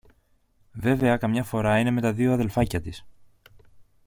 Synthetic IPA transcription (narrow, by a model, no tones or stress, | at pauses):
ve̞ve̞ɐkɐmɲɐfo̞ɾɐine̞me̞t̪ɐðio̞ɐðe̞lfɐcɐt̪is